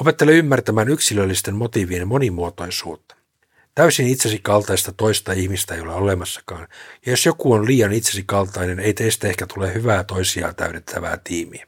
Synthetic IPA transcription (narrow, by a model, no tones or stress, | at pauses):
o̞pe̞t̪ːeleymːært̪æmæːnyksilølːist̪e̞mmo̞t̪iʋienmo̞nimuot̪o̞jsuːt̪ːɑ̥ | t̪æysinit̪sesikɑlt̪ɑist̪ɑt̪o̞ist̪ɑihmist̪æejo̞leole̞mɑsːɑ̥kɑːnjɑjo̞sjo̞kuonliːɑnit̪sesikɑlt̪ɑjne̞ne̞jt̪eist̪æe̞hkæt̪ulehyʋæːt̪o̞isiɑ̰ːt̪æ̰ydet̪ʰːæʋæ̰ːt̪iːmiæ